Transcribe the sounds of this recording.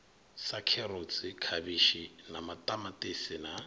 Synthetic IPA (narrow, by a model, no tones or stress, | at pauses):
sakʰɛrot͡sʼɪkʰabiʃinamatʼamatʼɪsɪna